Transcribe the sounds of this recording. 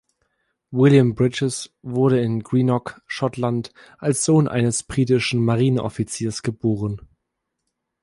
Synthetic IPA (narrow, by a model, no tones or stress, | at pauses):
wɪljambʁɪt͡ʃɛsvʊɐɾəɪnɡʁiːnɔkʃɔtʰlant | ʔalsz̥oːnʔa̰ɪnəsb̥ʁiːtɪʃn̩maʁiːnənʔɔ̰fit͡siːɐsɡ̥əboːʁən